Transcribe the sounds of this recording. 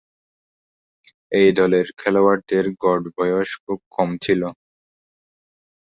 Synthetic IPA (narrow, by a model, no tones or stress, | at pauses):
ejd̪ɔleɾkʰɛlowaɾt̪eɾɡɔɖbɔjoʃokːɔmt͡ɕʰilo